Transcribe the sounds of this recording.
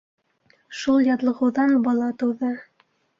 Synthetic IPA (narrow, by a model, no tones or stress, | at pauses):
ʃulˠjɑt̪lˠɤ̆ʁɤ̆wðɑnbɒlˠɑt̪ɤ̆wðɤ